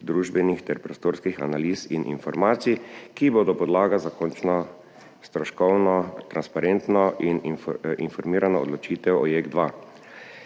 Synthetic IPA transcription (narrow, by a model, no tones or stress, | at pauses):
d̪ɾuːʒbɛnixt̪ɛɾpɾɔst̪oːɾskixa̰naliːsinʔḭnfɔɾmaːt̪sikiboːd̪ɔpɔd̪laːɡazakɔnt͡ʃnɔ | st̪ɾɔʃkɔwnɔt̪ɾanspaɾent̪nɔininfɔɾmiːɾanaɔ̰d̪lɔt͡ʃiːt̪ɛwɔjeɡd̪ʋa